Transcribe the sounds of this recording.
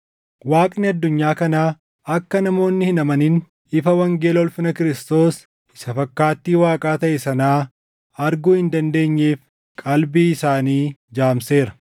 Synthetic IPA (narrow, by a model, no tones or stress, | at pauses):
waːkʼnɪɐd̪ːʊɲːaːkɐnaː | ɐkːɐnɐmo̞ːnːɪhɪnɐmɐnin | ɪfɐwɐŋɡe̞ːlɔlfɪnɐkɪɾɪst̪o̞ːs | ɪsɐfɐkːaːt̪ːiːwaːkʼaːt̪ɐʔɛsɐnaː | ɐɾɡuːhɪnd̪ɐnd̪e̞ːɲːeːf | kʼɐlbiːɪsaːniːd͡ʒaːmse̞ːɾɐ̥